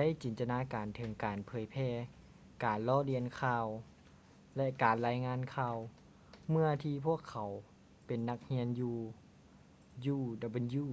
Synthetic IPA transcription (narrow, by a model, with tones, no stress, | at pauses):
da˥˨jt͡ɕiː˨˩nt̪a˧naː˧˥kaː˨nt̪ʰɤ˨˩˦ŋkaː˨˩npʰɤː˨˦jpʰɛː˧˩˨ | kaː˨˩nlɔː˧˥˨li˧ənkʰaː˧w | lɛ˧ʔkaː˨˩nlaː˧˥jŋaː˧˥˨nkʰaː˧w | mɯ˧˥ɐt̪ʰiː˧pʰu˥˩əkʰːa˨˩˦w | pe˨˩nːa˧k̚hi˧˥ənjuː˧ | juː˧˩da˨˧˩bɯ˧˦njuː˧˩